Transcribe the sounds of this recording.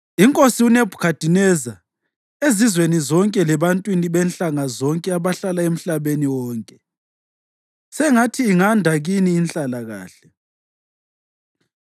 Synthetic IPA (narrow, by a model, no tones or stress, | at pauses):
iŋkʼosiunebʱu̥kʰad̥ʱinɛza | ezizwenizɔŋkʼɛlɛβantʼwiniβɛnɬʼaŋazɔŋkʼɛaβaɬalaem̩ɬaβeniwɔːŋkʼɛ | sɛŋatʰiːŋandʱaɣiniːnt͡ɬʼalaɣa̰ːɬɛ